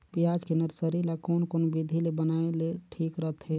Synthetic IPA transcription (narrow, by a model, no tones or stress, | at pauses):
pijaːd͡ʒkenəɾsəɾilakoːnkonbid̪ʱilebənaːeleʈʰiːkɾəɦət̪ɦɛ